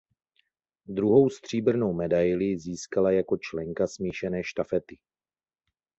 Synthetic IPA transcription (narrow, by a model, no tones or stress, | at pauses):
d̪ɾuɦo̞wst̪r̝̥iːbr̩no̞wmɛdajlɪziːskalajako̞t͡ʃlɛŋkasmiːʃɛnɛːʃt̪afɛt̪ɪ